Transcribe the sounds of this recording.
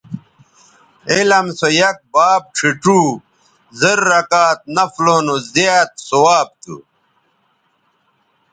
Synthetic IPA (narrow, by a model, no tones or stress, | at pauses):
elɐmsojɐk̚baːb̚ʈ͡ʂʰiʈuː | zɐɾːɐkaːt̪̚nɐfloːnozjaːt̪̚sowaːb̚t̪ṵ